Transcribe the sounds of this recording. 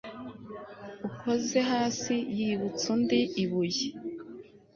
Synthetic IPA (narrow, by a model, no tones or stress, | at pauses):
uko̞ze̞ɦaːsijiβut͡sundiiβuji